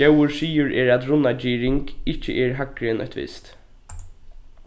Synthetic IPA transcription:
ɛwəɹsiːʊɹʔɛːɹæt̪ɾʊnad͡ʒiːɾɪŋkɪht͡ʃːə̰ʔɛɹɦakɾɪnœ̰çt̪ʋɪ̰st̪

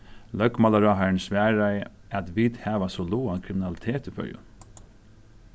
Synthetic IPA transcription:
lœkmalaɾɑːɦaɳsʋæːɹaj | at̪ʋid̪hæːʋasɔluːankʰɾɪmɪnalɪt̪ʰeːt̪ɪfœ̰ʏʊ̰

